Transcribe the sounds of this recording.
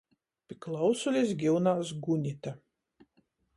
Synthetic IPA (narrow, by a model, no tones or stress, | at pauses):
pʲiklˠawsulʲisɡʲiwnaːsɡunʲit̪a